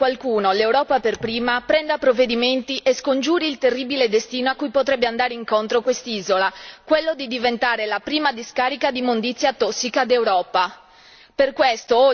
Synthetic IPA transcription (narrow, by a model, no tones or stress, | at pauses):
kwalkuːnolewɾɔːpaperpɾiːmapɾɛnd̪apɾovːed̪iment̪iʔeskond͡ʒuːɾiːlt̪erːibiled̪est̪iːnoakːujpot̪ɾɛbːeand̪aːɾeiŋkont̪ɾokwest̪iːzolakwelːod̪id̪ivent̪aːɾelapɾiːmad̪iskaːɾikad̪imond̪it̪sːjat̪ɔsːikad̪ewɾɔːpa | perkwest̪o